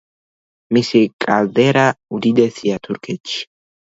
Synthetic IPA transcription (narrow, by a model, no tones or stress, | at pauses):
mɪsɪkʼazeɾɐʊd̪ɪd̪ɛsɪjɐt̪ʰʊɾkʰɛt͡ʃː